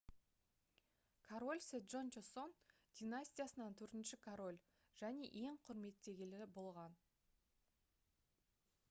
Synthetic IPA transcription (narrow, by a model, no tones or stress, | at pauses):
kʰoɾo̞lʲsed̪ʒont͡ʃeso̞n | d̪̥ʲinasʲt̪ʲijasənɑnt̪ʰɵɾt̪ɪnʃɪkʰoɾo̞lʲ | ʒ̥æne̞ʔe̞ɴqʰʊɾme̞t̪ːe̞ɡʲelɪbo̞lˠʁɑn